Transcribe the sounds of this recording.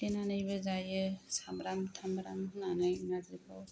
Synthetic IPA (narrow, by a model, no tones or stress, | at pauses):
tenanɯjbɯzajɯsamɾamtʰambɾamɯnanajnazɯbʰɔ